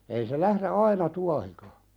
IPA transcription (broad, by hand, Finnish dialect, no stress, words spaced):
ei se læhre ɑinɑ tuɑhikɑ